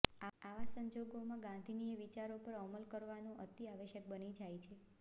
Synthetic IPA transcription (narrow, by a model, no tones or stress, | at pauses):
aaʋasəɲd͡ʒoɡomãɡãnd̪ʱinijəʋit͡ʃaɾopəɾəməlkəɾʋanũʔət̪iaʋəʃək̚bənid͡ʒajt͡ʃʰe